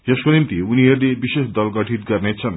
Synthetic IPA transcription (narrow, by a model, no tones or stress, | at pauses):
d͡ʑeʃkolimt̪iunieɾd̪iebiʃeʃd̪ɔlɡɔʈʰit̪̚ɡaɾnet͡ɕʰan